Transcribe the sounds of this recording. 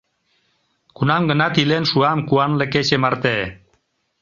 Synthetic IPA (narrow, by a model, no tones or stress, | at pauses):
kunamɡənat̪ilenʃuamkuanleket͡ʃemaɾt̪e